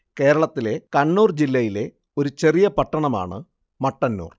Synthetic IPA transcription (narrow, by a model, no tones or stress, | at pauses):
ke̞ːɾɐɭɐt̪ːile̞kɐɳːuːrd͡ʑilːɐjile̞ | o̞ɾut͡ɕe̞rijɐpɐʈːɐɳɐma̰ːɳɨ̰ | mɐʈːɐnːṵːr